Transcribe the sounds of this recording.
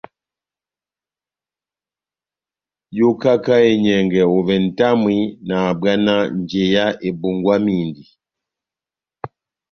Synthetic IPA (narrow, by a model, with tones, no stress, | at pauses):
jo˦ka˦ka˦e˨ɲɛ˨ŋɡɛ˨o˨vɛ˨n̩˨ta˦mwi˦naː˨ba˦na˦n˨d͡ʒɛ˨ja˦ʔe˨bu˨ŋɡwa˦miː˦˨ndi˨